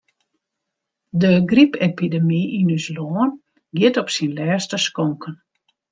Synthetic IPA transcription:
dəɡripʰepidəmiinysloːən | ɡɪtɔpsinlɛːstəskɔŋkʰən

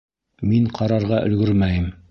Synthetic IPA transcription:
miɴqʰɑɾɑɾʁɑʔɵ̰̆lɡɵɾmæjɘm

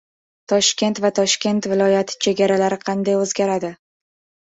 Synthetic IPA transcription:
t̪ʰɒʃkʲe̞nt̪vat̪ʰɒʃkʲe̞nt̪vɪlˠɒjat̪ʰɪ̥t͡ʃʰe̞ɡʲaɾalaɾɪqʰɑnd̪ajɵzɡʲaɾad̪ɪ

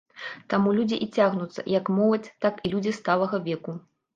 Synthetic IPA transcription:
t̪amulʲud͡zʲiʔit͡sʲaɣnut̪sːɐ̰jɐkmɔlˠɐt͡sʲt̪akilʲud͡zʲist̪alˠɐɣɐvʲɛku

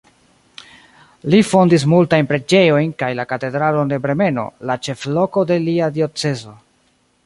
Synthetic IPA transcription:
lifo̞ndis̬multajnpɾe̞d͡ʒe̞jo̞jnkajlakate̞dɾalo̞nde̞bɾe̞me̞no̞̰lat͡ʃe̞flo̞ko̞de̞liadio̞t͡se̞zo̞

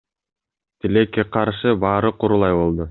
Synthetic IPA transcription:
t̪ilekːeqʰɑɾʃɯbɑːɾɯquɾulˠɑjbo̞lˠd̪u

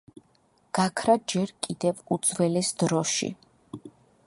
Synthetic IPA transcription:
ɡ̥akʰɾad͡ʒɛɾkʼid̪ɛvud̪zwɛlɛsd̪ɾɔʃḭ

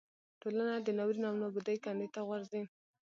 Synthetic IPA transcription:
ʈolanad̪ənawɾinawnabud̪ajkand̪et̪aɣwaɾzi

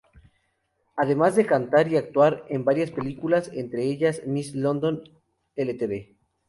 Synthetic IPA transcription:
aðe̞mazðe̞kant̪aɾiak̚t̪waɾe̞mbaɾjaspe̞likulase̞nt̪ɾe̞eʝasmislo̞nd̪o̞n | elet̪eβe̞

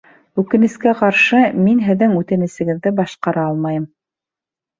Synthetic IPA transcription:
ʉkɘ̆nɘ̆skæqɑɾʃɤminɦɘ̆ðɘŋʉt̪ɘ̆nɘ̆sɘ̆ɡɘ̆ðːɘbɑʃqɑɾɑɑlˠmɑjɤm

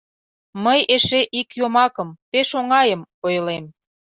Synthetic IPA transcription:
məjeʃeʔikjomɑkəmpeʃoŋɑjəmojlem

